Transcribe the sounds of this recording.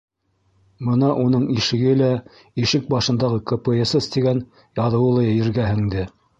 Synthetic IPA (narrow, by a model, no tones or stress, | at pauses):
bɤnɑʔunɤɴiʃɘ̆ɡɘlæ | iʃɘk̚bɑʃɤ̆nd̪ɑʁɤkɤpeesɤst̪iɡæn | jɑðɤ̆wɤ̆lˠɤjɑjɘ̆ɾɡæhɘ̆ŋd̪ɘ